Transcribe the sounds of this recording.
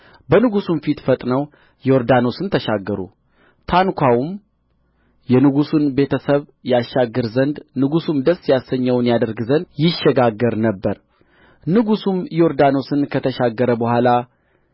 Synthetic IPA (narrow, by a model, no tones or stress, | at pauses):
bənɨɡusumfit̪fət̪ʼnəw | joɾd̪ano̞sɨnt̪ʰəʃaɡːəɾṵ | t̪ʰankʰʷawum | jɛnɨɡusunbe̞t̪ʰəsəβjaʃːaɡːɨɾzənd̪nɨɡusumd̪əsːjasːəɲːəwnjad̪əɾɡzənd̪jɪʃːɛɡaɡːəɾnəbːəɾ | nɨɡusumjoɾd̪ano̞sɨnkʰət̪ʰəʃaɡːəɾəbəhʷala